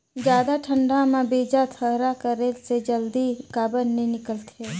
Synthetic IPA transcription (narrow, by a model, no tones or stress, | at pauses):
d͡ʒjaːd̪aʈʰə̃ɳɖʱãmãbeːd͡ʒat̪ʰəɦɾakəɾelsed͡ʒəld̪ikaːbənːẽnɪkəlt̪ʰeː